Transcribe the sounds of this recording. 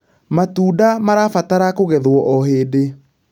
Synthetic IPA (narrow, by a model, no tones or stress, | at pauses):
matuːdamaɾafataɾakoɣɛðwɔʔɔɦeːde